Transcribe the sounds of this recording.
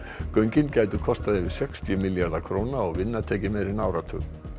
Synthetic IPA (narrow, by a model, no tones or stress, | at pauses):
kœɥɲcɪncaːjt̪ʏkʰɔst̪aðɪvɪ̥sɛkst̪ʰjʏmɪljaɾðakʰɾoːwnaɔɣvɪnːat̪ʰɛːcɪmɛðɾɪnaːwɾat̪ʰʏ̰n